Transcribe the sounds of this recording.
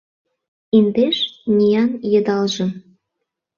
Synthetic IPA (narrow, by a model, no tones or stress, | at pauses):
ind̪eʃnʲijɑnjə̆d̪ɑlʒə̆